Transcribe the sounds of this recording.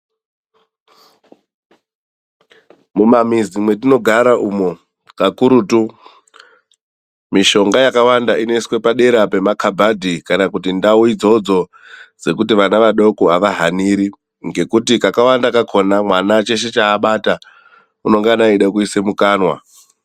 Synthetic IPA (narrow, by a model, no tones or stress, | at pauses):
mumamizimwe̞tino̞ɡʱaɾaʔumo̞ | kakuɾutu | miʃo̞ŋɡajakawandaineswe̞paɗe̞ɾape̞makʰabʱadʱikanakutindauid͡zo̞d͡zo̞ | d͡ze̞kutiʋanaʋaɗo̞koaʋaɦaniɾi | ŋɡe̞kutikakawandakakʰo̞namwanat͡ʃe̞ʃe̞t͡ʃaːɓata | uno̞ŋɡanaiɗak̬uise̞mukaːnwa̰